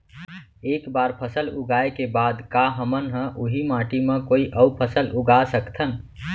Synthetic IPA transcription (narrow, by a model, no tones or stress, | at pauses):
eːkbaːɾpʰəsəluɡaekebad̪kaɦəmənɦə̃ʔuɦimãʈimẽkoːiʔəwpʰəsəlʔuɡasəkt̪ʰən